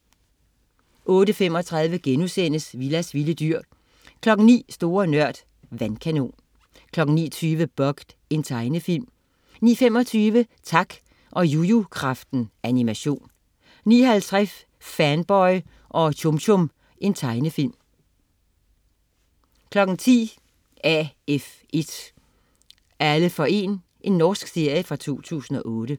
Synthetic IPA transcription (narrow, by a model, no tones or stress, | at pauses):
ʔɔ̽ːɾəfem̰ɒ̽t͡sʰʁɑ̈ðˠʋəɡ̥enusen̰əsʋilæsʋiləd̥yɐ̰ | kʰlɒ̽ɡ̥n̩nḭːsd̥o̝ːɐnɶɐ̰d̥ | ʋænkʰæno̝̰ːn | kʰlɒ̽ɡ̥ŋ̩nḭːt͡sʰyːʋəb̥ɒ̽ɡ̥d̥ | e̝nt͡sʰɑ̈ɪnəfil̰m | nḭːfem̰ɒ̽t͡sʰyːʋət͡sʰɑ̈ɡ̥ | ʔɒ̽jujukʰʁɑ̈fd̥n̩ʔænimæɕo̝̰ːn | nḭːɦælt͡sʰʁas | fænb̥ɒɪ | ʔɒ̽t͡ɕʰomɕʰom | ʔe̝nt͡sʰɑ̈ɪnəfil̰m | kʰlɒ̽ɡ̥n̩t͡sʰḭː | æef | e̝d̥ | æləfɒ̽e̝̰ːn | ʔe̝nːɒːsɡ̥se̝ɐ̰jəfʁɑ̈t͡sʰo̝̰ːt͡sʰṵːsn̩ɒ̽ʔɔːɾ̥ə